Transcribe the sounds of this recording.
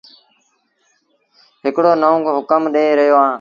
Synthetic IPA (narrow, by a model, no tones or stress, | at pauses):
ɦɪkɽoːnəõːkːɦʊkəmɗeːɾəɦjoːãː